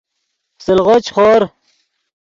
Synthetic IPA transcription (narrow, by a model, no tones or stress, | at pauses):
silʁot͡ɕχoːɾ